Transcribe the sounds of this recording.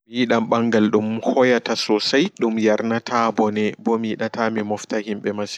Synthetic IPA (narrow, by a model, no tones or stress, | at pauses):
mijiɗamɓaŋɡalɗumhɔjatasɔsajɗumjaɾnatʰabɔnɛbɔmiiɗatamimɔftahimɓɛmasi̥